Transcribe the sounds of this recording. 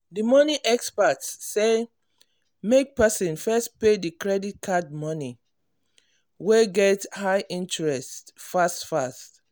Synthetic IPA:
dimɔniʔɛkspatsːe | mek̚pɛsɔ̃nfɛst̚pedikɹɛdit̚kʰad̚mɔni | weɡɛthaɪʔĩntɹɛsttfastfast

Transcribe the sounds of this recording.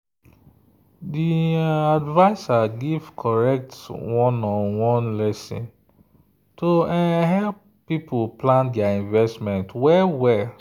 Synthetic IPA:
diadvaɪsaɡivkʰɔɹɛk̚twɔ̃nɔ̃nwɔ̃nlɛsḭ̃n | toɛɦɛlp | pipʰoplãndɛaĩnvɛstmɛ̃ntwɛwɛ

